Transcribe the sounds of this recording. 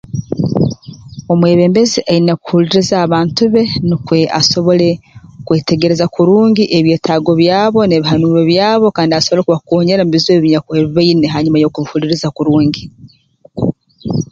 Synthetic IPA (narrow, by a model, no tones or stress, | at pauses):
omwe̞ːβe̞ːmbe̞ziʔainaku̥huliɾizaːβaːntuβe̞nikwe̞a̰so̞βo̞le̞kwe̞ːte̞ɡe̞ɾe̞zakuɾuːɲɟiʔeβjeːtaːɡo̞βjaːβo̞neβiɦanuːβeβjaːβo̞kaːndiasoβo̞lekuβakoːɲeɾamuβizeːβiɲakweːβiβeineɦaɲumajo̞kuβihuliɾizakuɾuːɲɟi